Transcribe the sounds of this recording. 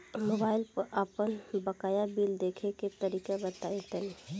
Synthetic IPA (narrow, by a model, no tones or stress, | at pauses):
mobaːɪlpəɾʔəpənbəkaːjabiːld̪eːkʰeket̪əɾiːkabət̪aːet̪əni